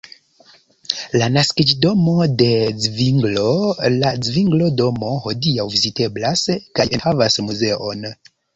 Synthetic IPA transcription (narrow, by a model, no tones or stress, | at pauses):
lanaskid͡ʒdo̞mo̞de̞d͡zviŋɡlo̞lad͡zviŋɡlo̞do̞mo̞ho̞diawvizite̞blaskajʔenhavasmuze̞ʔo̞n